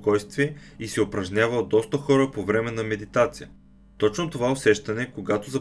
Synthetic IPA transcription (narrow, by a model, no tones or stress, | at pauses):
kɔjst̪viɛisɛopɾɐʒnʲjavəlˠd̪ɔst̪əxɔɾəpovɾɛmɛnɐmɛd̪it̪at̪sijə | t̪ɔt͡ʃnot̪ovaosɛʃt̪ɐnɛkoɡat̪ozɐ